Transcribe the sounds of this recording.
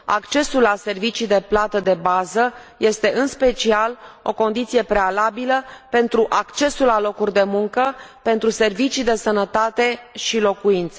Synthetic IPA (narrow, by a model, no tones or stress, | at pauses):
a̰kt͡ʃe̞sulːase̞rvit͡ʃid̪e̞plat̪əd̪e̞bazəje̞st̪e̞ʔɨnspe̞t͡ʃialo̞̰ko̞nd̪it̪sije̞pɾe̞alabiləpe̞nt̪ɾuʔakt͡ʃe̞sulːalo̞kurʲd̪e̞muŋkəpe̞nt̪ɾuse̞rvit͡ʃid̪e̞sənət̪at̪e̞ʃilo̞kuint̪se